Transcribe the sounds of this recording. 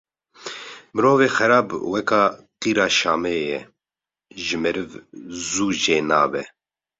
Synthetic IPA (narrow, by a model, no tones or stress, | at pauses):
mɨɾoːveːxɛɾaːbwɛkaːqiːɾaːʃaːmɛjɛ | ʒɨmɛɾɨvzuːʒeːnaːbɛ